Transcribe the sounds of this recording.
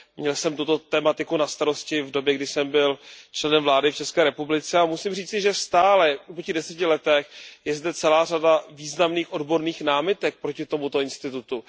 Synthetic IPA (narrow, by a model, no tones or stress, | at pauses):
mɲɛlsɛmt̪ut̪o̞t̪ɛːmat̪ɪkunast̪aɾo̞scɪvdo̞bjɛɡdɪsɛmbɪlt͡ʃlɛnɛmvlaːdɪft͡ʃɛskɛːɾɛpublɪt͡sɛamusimriːt͡sɪʒɛst̪aːlɛpocɪdɛsɛcɪlɛt̪ɛxjɛzdɛt͡sɛlaːr̝adaviːznamniːxʔo̞dbo̞ɾniːxnaːmɪt̪ɛk̚pɾo̞cɪt̪o̞mut̪o̞ɪnst̪ɪt̪ut̪u